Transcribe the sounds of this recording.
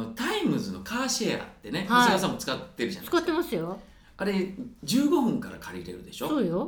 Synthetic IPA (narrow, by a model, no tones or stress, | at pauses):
ot̪aimɯzɨno̞kaːɕea̰t̪ːe̞ne̞ɡas̬amːo̞t͡sɨ̥kat̪ːe̞ɾɯ̟ʑã̰nsɨ̥kat̪ːe̞masɨjo | aɾe̞d͡ʑɨːɡo̞ɸɯ̟̃ŋkaɾa̰kʰaɾʲiɾe̞̰ɾɯ̟d̪e̞ɕo̞soːjo